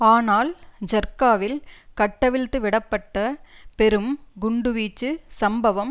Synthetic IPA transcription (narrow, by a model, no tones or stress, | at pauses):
aːnaːld͡ʒɐrkaːʋɪlkɐʈːɐʋɪɭt̪ɯʋɪɽɐpːɐʈːɐpɛɾɯmɡʊɳɖɯʋiːt͡ʃːɯsɐmbɐʋɐm